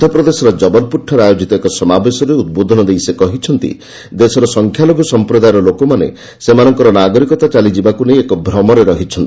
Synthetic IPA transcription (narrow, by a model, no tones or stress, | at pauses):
d̪ʱɔpɾɔd̪esɔɾɔd͡ʒɔbɔlpuʈʰːɔɾeajod͡ʒit̪ɔekɔsɔmabesɔɾeud̪̚bod̪ʱɔnɔd̪ejsekɔɦit͡ʃʰɔnt̪ḭ | d̪esɔɾɔsɔŋkʰjaloɡɔsɔmpɾɔd̪ajɔɾɔlokɔmanḛ | semanɔŋkɔɾɔnaɡɔɾikɔt̪at͡ʃalid͡ʒibakunejekɔbʱɾɔmɔɾeɾɔɦit͡ʃʰɔnt̪i